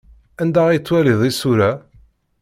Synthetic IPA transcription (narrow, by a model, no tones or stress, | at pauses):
ænd̪æʁijt͡sːwæliðˤisuɾæ